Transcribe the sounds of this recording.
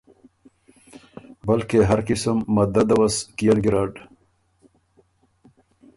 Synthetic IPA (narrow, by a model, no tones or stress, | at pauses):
bɐlkeɦɐɾkisəmːɐd̪ɐd̪ɐwɐskijɐnɡiɾaːɖ